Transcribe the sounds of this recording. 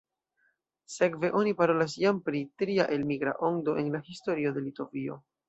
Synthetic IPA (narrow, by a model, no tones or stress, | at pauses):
se̞kve̞ʔo̞nipaɾo̞las̬jampɾitɾiaʔe̞lmiɡɾa̰ʔo̞ndo̞ʔe̞nlahisto̞ɾio̞de̞lito̞vio̞̰